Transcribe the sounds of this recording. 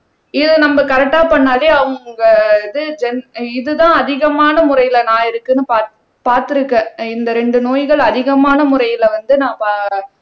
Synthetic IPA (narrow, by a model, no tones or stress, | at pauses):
ɪðɯnɐmbɐkɐɾɛk̚ʈːaːpɐɳːaːleːɐʋɐɡɐðɯd͡ʒɛnɪðɯðãːɐðɪɣɐmaːnɐmʊɾɐjɪlɐnãːɪɾɯkːɯnːɯpaː | paːɾt̪ɪɾɯkːɛ̃ɪnd̪ɐɾɛɳɖɯnoːjɣɐɭɐðɪɣɐmaːnɐmʊɾɐjɪlʋɐnd̪ɯnãːpa